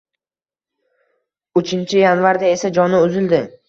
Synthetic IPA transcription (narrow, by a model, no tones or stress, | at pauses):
ʊt͡ʃʰɪnt͡ʃʰɪjanvaɾd̪ae̞sad͡ʒɒnɪʊzɪld̪ɪ